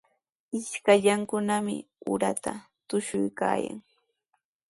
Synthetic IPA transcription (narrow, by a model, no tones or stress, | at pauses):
ɪʃkaʎaŋkʊnamɪ̰ | ʊɾat̪a | t̪ʊʃʊjka̰ːja̰ŋ